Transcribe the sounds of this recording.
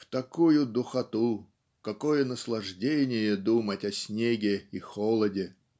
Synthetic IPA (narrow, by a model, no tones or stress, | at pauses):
ft̪ɐkujʊd̪ʊxɐt̪u | kɐkojənəslˠɐʐdʲenʲɪjəd̪umətʲɐsʲnʲeɡʲɪixolˠədʲɪ